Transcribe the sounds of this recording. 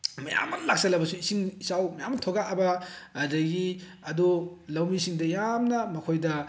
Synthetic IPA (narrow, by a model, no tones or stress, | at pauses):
mɐja̰mːɐɾlak̚sɐlɐbɐsuisiŋisawmɐjamːtʰoɡaɐbɐː | dɐɡi | ɐdulɐwmisiŋdɐjamnɐmɐkʰojdɐ